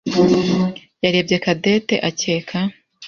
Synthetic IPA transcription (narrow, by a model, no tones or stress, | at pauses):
jaɾe̞ːbɟe̞kade̞ːte̞ʔaceːkʰa